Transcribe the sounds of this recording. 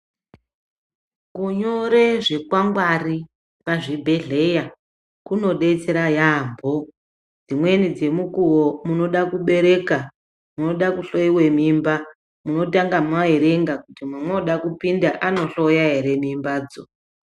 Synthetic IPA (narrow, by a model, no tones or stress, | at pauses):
kuɲoɾeʐe̞kwaŋɡwari | paʐibʱe̞ɮe̞ja | kuno̞ɗe̞t͡se̞ɾajaːmbʱo̞ | d͡zimwe̞nid͡ze̞mukuwomuno̞ɗakuɓe̞ɾe̞ka | muno̞ɗakuɬo̞jiwe̞mimba | muno̞t̬aŋɡamaeɾe̞ŋɡakutimamwoɗakupindaʔano̞ɬojaɦeɾe̞mimbaːd͡zo